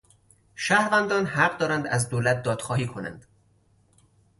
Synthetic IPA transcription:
ʃæhɾvænd̪ɒːnhæɢd̪ɒːɾænd̪æzd̪oːlæt̪̚d̪ɒːd̪̥xɒːhiːkʰonæ̰nd̪̥

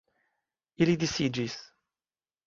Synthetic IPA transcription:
ilid̪isid͡ʒis

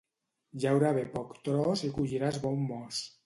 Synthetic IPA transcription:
ʒawɾaβepɔkt̪ɾɔzikuʎiɾazβɔmːɔs

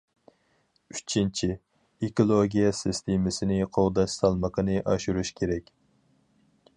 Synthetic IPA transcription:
y̥t͡ʃʰint͡ʃʰi | ekolˠoɡʲijɛsɪst̪ʰemɪsɪnɪqʰowd̪ɑʃsɑlˠməqʰənɨʔɑʃuɾuʃkʲʰeɾɛkʲ

